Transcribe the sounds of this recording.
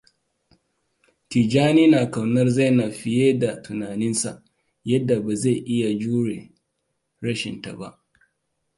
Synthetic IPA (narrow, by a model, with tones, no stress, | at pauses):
ti˨d͡ʒaː˦niː˦naː˨ka˨wnɐ˦rza˦˨na˨ɸɪ˦jeː˦da˨tʊ˨naː˨nɪ˦nsa̰˨ʔ | jɐ˦dːa˨baː˨za˦˨ʔɪ˦ja˨d͡ʒuː˦ɽe˨ | ɽɐ˦ʃɪ̰˨nta̰˨ba̰˦ʔ